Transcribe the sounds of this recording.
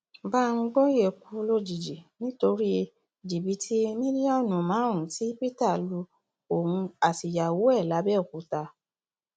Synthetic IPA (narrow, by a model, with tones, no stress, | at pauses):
ba˦˧ũ˧ɡɔ̃˦je˦˨ku˨˦lo˦d͡ʒi˨d͡ʒi˨nĩ˦to˧ɾi˦˧ | d͡ʒi˨bi˨˦tʰi˦mĩ˦ɾi˦ɔ˦˨nũ˨mãː˨˦ũ˨ti˦pi˦ta˦˨lu˧ | o˨hũ˧a˨ti˨ja˨wo˨˦ɛ˦˨la˨˦bɛ˦˨ku˨˦ta˧